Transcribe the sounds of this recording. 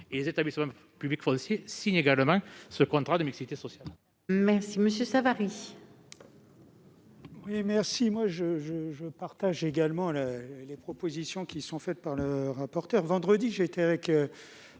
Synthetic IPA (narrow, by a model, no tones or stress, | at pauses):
elezet̪ablisəmɑ̃ | pyblikfɔsjesiɲeɡaləmɑ̃səkɔ̃t̪χad̪əmiksit̪esɔsjal | mɛʁsiməsjøsavaʁi | wimɛʁsimwaʒəʒəʒəpaʁt̪aʒeɡalmɑ̃llepχɔpozisjɔ̃kʲisɔ̃fɛt̪̚paʁləʁapɔʁt̪œʁvɑ̃d̪ʁəd̪iʒeːt̪ɛavɛkø